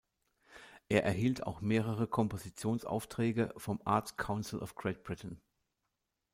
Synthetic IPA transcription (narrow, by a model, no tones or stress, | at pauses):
ʔeːɐʔɛɐɦiːltʰa̰ʊxmeːʁ̞əʁ̞əkʰɔmpozit͡sjoːnsa̰ʊftʁ̥ɛːɡəfɔmʔa̰ɐt͡skʰaʊnsl̩ɔ̰fɡ̥ʁɛt̚b̥ʁɪtn̩